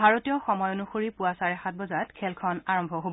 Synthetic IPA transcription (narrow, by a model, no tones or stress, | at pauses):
bʱaɹotijɔxɔmɔjonuxoɹipuwasaɹɛxat̚bɔzatkʰɛlkʰɔnaɹɔmbʱɔɦobɔ